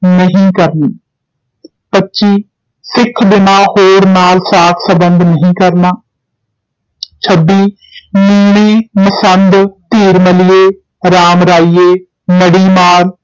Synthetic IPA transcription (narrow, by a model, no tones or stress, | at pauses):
nəɦĩːkəɾniː | pətːʃiː | sɪkʰbɪnaːhoːɾnaːlsaːt̪ʰsəbənd̪ʱnəɦĩːkəɾnaː | t͡ʃʰəbiː | miːmiːməsənd̪t̪iːɾməlɪeː | ɾaːmɾaːijeː | məɽiːmaːɾ